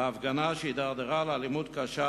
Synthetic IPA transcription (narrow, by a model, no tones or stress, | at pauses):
aːfɡanaʃeid̪aʁd̪eʁalalimud̪kaʃa